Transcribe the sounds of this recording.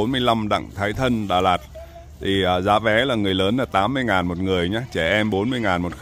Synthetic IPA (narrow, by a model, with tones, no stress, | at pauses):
o˨˦nmɨ˧əjla˧mɗa̰˧˨ŋt̪ʰaː˨˦jt̪ʰə˧nɗa̰ː˨˩laː˨˩t̚ | t̪ʰi˨˩ʔəː˨˩zaː˨˦vɛ˨˦laː˨˩ŋɨ˨˩əjləː˨˦nlaː˨˩t̪aː˨˦mːɨ˧əjŋaː˨˩nmo˨˩t̚ŋɨ˨˩əjɲaː˨˧˦t͡ɕɛ˧˩ʔɛ˧mɓo˨˦nmɨ˧əjŋaː˨˩nmo˨˩t̚x